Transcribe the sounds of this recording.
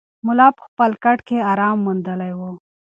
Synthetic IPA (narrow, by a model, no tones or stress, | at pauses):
mʊlaːpxpɐlkɐʈkʰeaːɾɑːmːund̪əlajwo